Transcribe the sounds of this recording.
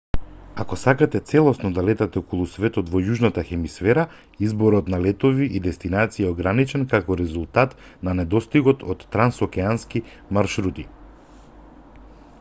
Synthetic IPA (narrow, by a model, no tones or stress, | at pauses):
akɔsakat̪ɛt̪sɛlˠɔsnɔd̪alɛt̪at̪ɛɔkɔlˠusvɛt̪ɔt̪vɔjuʒnat̪axɛmisfɛɾa | izbɔɾɔt̪nalɛt̪ɔviʔid̪ɛst̪inat̪siaɔɡɾanit͡ʃɛnkakɔɾɛzulˠt̪at̪ | nanɛd̪ɔst̪iɡɔt̪ʰɔt̪ːɾansɔkɛanski | maɾʃɾut̪i